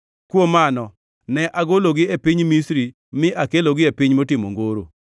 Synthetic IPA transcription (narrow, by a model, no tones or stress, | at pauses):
kwomanɔ | nɛʔaɡoloɡɪepɪɲmisɾi | mɪʔakeloɡɪepɪɲmotɪmo̰ŋɡoɾo̰